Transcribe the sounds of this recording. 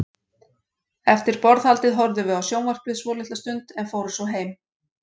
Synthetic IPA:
ɛft̪ɪɾpɔɾðhalt̪ɪðɦɔɾðʏvʏawsjoːwnvar̥kplɪðsvɔːlɪht̪ast̪ʏnt̪ɛnfoːwɾʏ̥svɔɦeːjm

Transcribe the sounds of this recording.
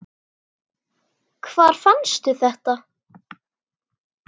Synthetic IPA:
kʰvaːɾ̥fanst̪ʏθɛht̪a

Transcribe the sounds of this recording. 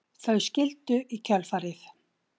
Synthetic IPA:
θœɥscɪlt̪ʏʔicʰœlfaɾɪθ

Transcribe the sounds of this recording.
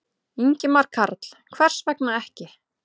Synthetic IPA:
iɲcɪmaɾkʰaɾt̪l̥kʰvɛr̥svɛknaɛhcɪ

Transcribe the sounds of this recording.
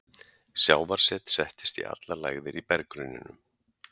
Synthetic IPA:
sjaːwvaɾ̥sɛːt̪sɛht̪ɪ̥st̪ḭa̰t̪lalajɣðɪɾipɛɾkɾʏnːɪ̰nʏ̰m

